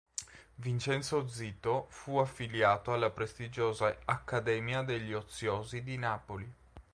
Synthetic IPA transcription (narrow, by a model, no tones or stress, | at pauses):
vint͡ʃɛnsod̪zːiːt̪ofuafːiljaːt̪oalːapɾest̪id͡ʒoːzaakːad̪ɛːmjad̪eʎːiot̪sːjoːzid̪inaːpoli